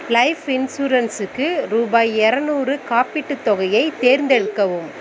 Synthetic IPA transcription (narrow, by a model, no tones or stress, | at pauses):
lɐɪfɪnsuɾɐnsɯkːɯɾuːbaːjɛɾɐnuːrɯkaːpɪʈːɯt̪ːɔɣɐjɐɪt̪eːɾnd̪ɛɻɯkːɐʋɯm